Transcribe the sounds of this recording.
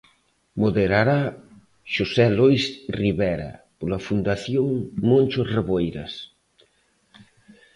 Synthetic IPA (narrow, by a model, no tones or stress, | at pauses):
moðeɾaɾa | ʃosɛlojsriβɛɾɐ̰polafund̪aθjoŋmõnʲt͡ʃosreβojɾɐ̰s